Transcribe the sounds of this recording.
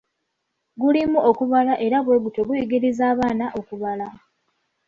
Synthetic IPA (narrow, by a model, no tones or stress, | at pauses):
ɡulimuʔokuβalaʔe̞ɾaβwoɡutoɡujiɡiɾizaːβaːnaʔo̞kuβala